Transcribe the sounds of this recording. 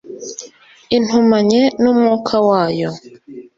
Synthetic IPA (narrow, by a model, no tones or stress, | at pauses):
in̥humaɲenumŋukʰawaːjo